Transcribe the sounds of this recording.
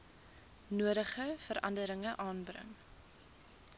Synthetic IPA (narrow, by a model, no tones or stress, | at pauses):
nuəɾəχəfəɾʔɐndəɾəŋəʔɑːnbrə̰ŋ